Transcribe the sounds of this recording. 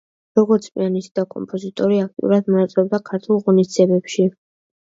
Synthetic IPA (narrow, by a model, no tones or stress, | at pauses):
ɾɔɡɔɾt̪sʼpʼḭanisid̪akʼɔ̰mpʼɔzit̪ʼɔɾiak̚t̪ʼḭṵɾad̪mɔnat̪sʼɾɔb̚d̪akʰaɾt̪ʰulˠʁɔnisd̪ziɛbɛpʃi